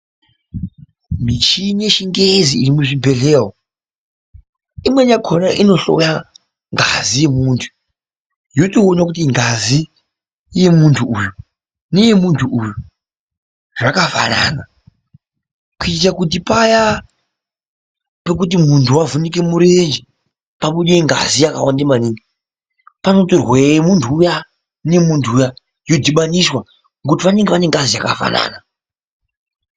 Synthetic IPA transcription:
mit͡ʃineʃiŋɡeziːrimuʐibʱe̞ɮeːɦo | imwe̞ɲakʰonaʔino̞ɬo̞̰ja | ŋɡa̰zije̞muːntʰu̥ | joto̞ːnakutiŋɡazi | je̞muntʰuuju | ne̞je̞muntʰuʔuju | ʐakava̰na̰na | kuittakut̬ipaja | pe̞k̬ut̬imuntʰuwavunik̬e̞muɾend͡ʒe | paɓuɗeiŋɡa̰zijaka̰wandemaniːŋɡi | pano̞torwemuntʰuːja | ne̞muntʰuːja | jo̞diɓaniswa | ŋɡutiʋaneŋɡeʋaneŋɡazijaka̰fa̰na̰ːna

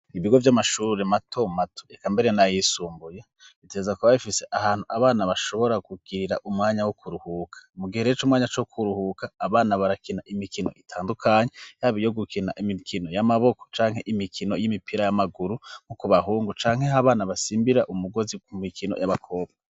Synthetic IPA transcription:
iβiɡo̞vjamaʃuːɾematʰo̞matʰo̥ekambe̞ɾe̞najisuːmbuje | ite̞zakuβaβifise̞ʔahaːn̥huaβaːnaβaʃo̞βo̞ɾakuɡ̥iɾiɾaʔumŋaːɲawokʰuɾuhuːkʰḁmuɡiheɾet͡ʃumŋaːɲat͡ʃokʰuɾuhukaːβaːnaβaɾakinaʔimikino̞̰ʔitʰaːndukʰaɲejaːβijo̞ɡukʰina̰ʔimikʰino̞jamaβo̞ko̥t͡ʃaːŋɦe̞̰ʔimikʰino̞jimipʰiɾajamaɡuɾuŋ̥ukuβaɦuːŋɡut͡ʃaːŋhe̞ɦaβaːnaβasiːmbiɾaʔumuɡo̞zikumikino̞̰jaβakʰo̞ːbɡa

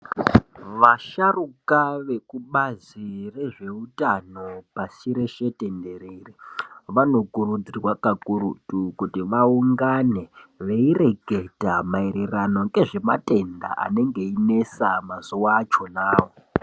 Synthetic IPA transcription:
ʋaʃarukaʋe̞kuɓazire̞ʐe̞utano̞pasiɾe̞ʃe̞te̞nde̞ɾeriʋano̞kuɾud͡zirwakakuɾutukutiʋauŋɡane̞ʋeire̞ɡʱe̞tamaiɾerano̞ɡe̞ʐe̞mate̞nda̰ʔa̰ne̞ŋɡe̞ine̞samazuwat͡ʃo̞naːwo

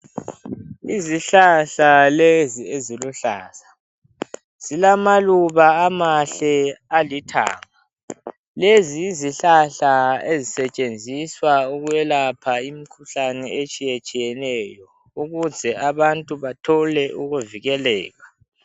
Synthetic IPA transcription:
iziɬaɬalezieziluɬa̰ːsḁ | z̥ilamaluβaːmaɬɛalitʰa̰ːŋa | leziːziɬaɬaezisɛt͡ʃʼend͡zʱiswauɣujɛlapʰaimikʰuɬanɛet͡ʃʼijet͡ʃʼijɛnɛjɔ | uɣuzʱɛaβantʼuβatʰɔlɛʔuɣuviɣɛlɛ̰ːɣa

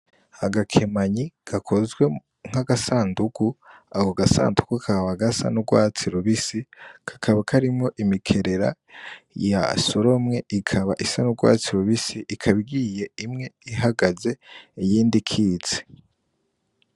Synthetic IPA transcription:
aɡakʰemaɲiɡ̥akʰo̞zɡwe̞ | ŋ̥aɡasaːndukuaɡoɡasa̰ːndukukʰaβaɡasa̰nuɡwaːt͡siɾuβisikʰḁkʰaβakʰaɾimŋo̞ʔimikʰe̞ɾe̞ɾa̰ | ja̰soɾo̞mŋe̞ʔikʰaβaʔisanuɡwa̰ːt͡siɾuβisiʔikʰaβiɡiːje̞imŋe̞iɦaɡaze̞ijiːndikʰiːt͡se̥

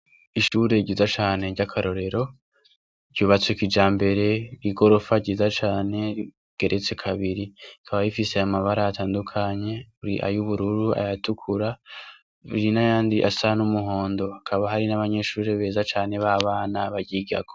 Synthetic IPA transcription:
iʃuːɾe̞ɟiːzat͡ʃaːne̞ɾɟakʰaɾo̞ɾe̞ɾo̞ | ɾɟuːβat͡swekid͡ʒaːmbe̞ɾe̞iɡo̞ɾo̞faɟiːzat͡ʃaːne̞ | ɡ̥e̞ɾʔe̞t͡se̞kʰaβiɾiikʰaβajifiseamaβaɾaataːndukʰaɲe̞uɾiʔa̰juβuɾuɾua̰jatukʰuɾa | βḭɾinajaːndiʔa̰sanumuɦo̞ːndo̞akʰaβaɦaɾinaβaɲe̞ʃuːɾe̞βe̞ːzat͡ʃaːne̞βaβaːnaβaɾɟiːɡa̰ɡo

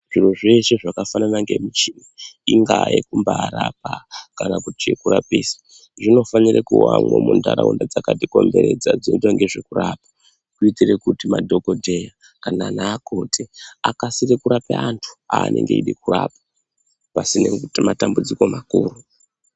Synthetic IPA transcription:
ʐiroʐeʃeʐakafananaŋɡe̞mit͡ʃiniiŋɡajekumbaːɾap̚akanakutiekuɾapiːsḁ | ʐino̞fanirekuwamwomundaɾaundad͡zakadiko̞mbe̞ɾe̞d͡zad͡zidoŋɡe̞ʐekuraːpḁ | kuitirekutimadʱo̞ko̞dʱe̞ja | kanaːnaːkotʰeakasirekuɾapeantʰu̥aːnʔe̞̰ŋɡe̞iɗikuraːpḁ | pasinematambud͡ziko̞makuːru

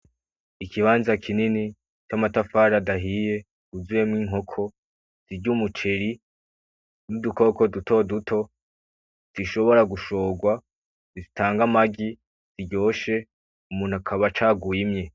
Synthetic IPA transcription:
ikʰiβaːnzakʰinini | t͡ʃamatafaɾadaɦije̞ | uzuje̞mŋiːŋɦo̞kʰo̞ | z̥iɟumut͡ʃe̞ɾi | nuduko̞ko̞dutʰo̞dutʰo̞ | z̥iʃo̞βo̞ɾaɡuʃo̞ːɡwa | zizitʰaːŋɡamaɡi | z̥iɟo̞ːʃe̞ | umuːn̥uakʰaβat͡ʃaːɡuimɲe̞

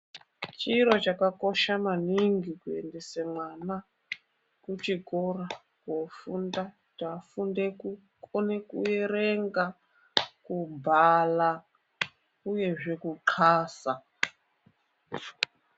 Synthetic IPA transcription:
t͡ʃiɾot͡ʃakako̞ʃamaniŋɡikue̞̰ndesemwana | kut͡ʃikora | kofunda | tafundeku | konekṵeɾeŋɡa | kubʱala | uje̞ʐe̞kuǃʰaːsa

